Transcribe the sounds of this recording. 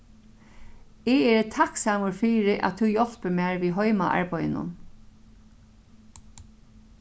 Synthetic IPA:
ɪɛːɹət̪ʰaksaːmʊɹfiːɾɪʔa̰t̪ʰuwjɔl̥pɪmaːɹʋiːɦɔjmaʔa̰ɹpɔj̰nʊ̰n

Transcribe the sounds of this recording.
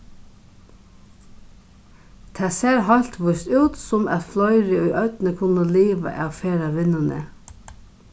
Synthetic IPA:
t̪ʰæːseːɾɦɑlt̪ʋʊst̪ʉːt̪sɔmæ̰t̪flœʏɾəɔʏʔœt̪nəkʰʊnəliːʋə̰ʔɑːʋfeːɾaʋɪnanə̰

